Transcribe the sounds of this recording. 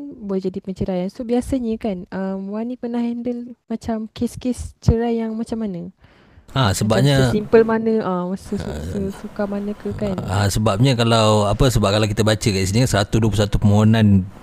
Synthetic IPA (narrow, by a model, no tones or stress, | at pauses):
nbolɛhd͡ʒadipəɲt͡ʃəɾajansobiasaɲəkanʔəmwanĩpənahɛndəlmat͡ʃamkeskest͡ʃəɾajjaŋmat͡ʃamːanə | asəbap̚ɲassimpəlmanə̃ʔasəsusəsukamanə̃kəkanasəbap̚ɲakalawapəsəbap̚kalawk̬it̪əbat͡ʃəkaʔis̬inisəɾat̪uduəp̬usat̪upəmoɦonan